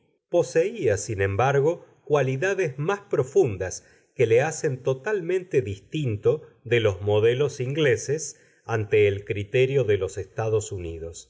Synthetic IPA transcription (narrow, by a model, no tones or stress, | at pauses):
po̞seiasinẽ̞mbaɾɣo̞ | kwaliðaðezmaspɾo̞fund̪as | kelease̞nt̪o̞t̪almẽ̞nt̪eðist̪int̪o̞ðelo̞zmo̞ðelo̞siŋɡleses | ant̪eːlkɾit̪eɾjo̞ðelo̞sest̪aðo̞suniðo̞s